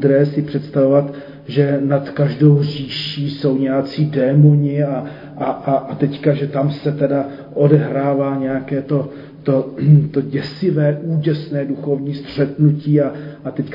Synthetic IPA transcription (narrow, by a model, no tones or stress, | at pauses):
d̪ɾɛːsɪpr̝̥ɛt̪st̪avo̞vat̪ | ʒɛnat̪kaʒdowriːʃiːso̞wɲɛjat͡siːdɛːmoɲɪa | ʔaʔaʔat̪ɛckaʒɛt̪amsɛt̪ɛda | ʔo̞dɛɦɾaːvaːɲɛjakɛːt̪o̞ | t̪ot̪o̞ɟɛsɪvɛːʔuːcɛsnɛːduxo̞vɲiːst̪r̝̥ɛt̪nuciːaʔat̪ɛck